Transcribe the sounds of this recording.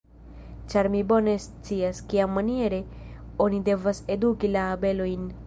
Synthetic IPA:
t͡ʃaɾmibo̞ne̞s | t͡siaskiamːanie̞ɾe̞ | o̞nide̞vase̞dukilaːbe̞lo̞jn

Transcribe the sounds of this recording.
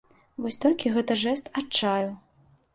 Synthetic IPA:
vɔsʲt̪ɔlʲkʲiɣɛt̪ɐʐɛst̪at͡ʂːaju

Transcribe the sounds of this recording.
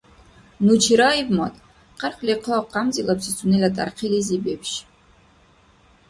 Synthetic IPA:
nut͡ʃʰiɾaivmatʼ | qʰarχliqʰɔqamzilapsit͡sʰunelʲatʼa̰rqʰilizibepʰʃ

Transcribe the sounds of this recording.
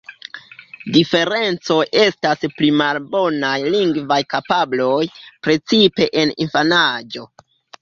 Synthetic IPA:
dife̞ɾe̞nt͡so̞jʔe̞stasplimalbo̞najliŋɡvajkapablo̞jpɾe̞t͡sipe̞ʔenḭnfanad͡ʒo̞

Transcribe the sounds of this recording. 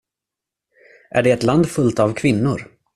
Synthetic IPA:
ʔæ̰ɖɛːt̪land̪fɵlt̪avkʰvɪnːʊɾ

